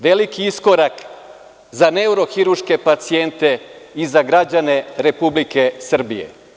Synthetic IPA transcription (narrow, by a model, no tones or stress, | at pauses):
ʋelikiisko̞ɾak | zaneuɾo̞xiɾuʃke̞pat̪sie̞nt̪e̞izaɡɾad͡ʑane̞ɾepublikesr̩bije̞̰